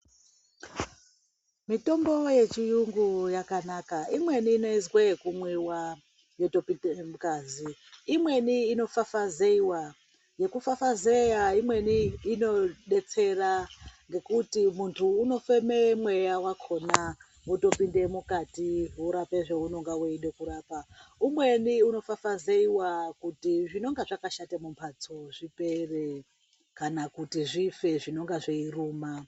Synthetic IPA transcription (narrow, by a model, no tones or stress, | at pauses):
mito̞mbo̞je̞t͡ʃijuŋɡujakanakaimwe̞niːno̞izwekumwiwa | jetopiemukaːziimwe̞niːno̞fafazeiwa | je̞kufafazejaimwe̞niːno̞ɗe̞t͡se̞raŋɡe̞kutimuntʰuːno̞fememwejawakʰo̞na | uto̞pinde̞mukatiuɾapeʐeuno̞ŋɡaweiɗe̞kuɾaːpaumwe̞niuno̞fafazeiwakutiʐino̞ŋɡaʐakaʃatamumpʰat͡soʐipe̞re | kanakutiʐife̞ʐino̞ŋɡaʐeiruːma